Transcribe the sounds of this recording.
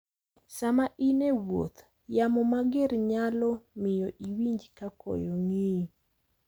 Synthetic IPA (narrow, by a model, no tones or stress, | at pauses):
samaʔinewo̰t̪ | jamɔmaɡeɾɲalɔmɪjɔʔiwiɲd͡ʒkakɔ̰joŋi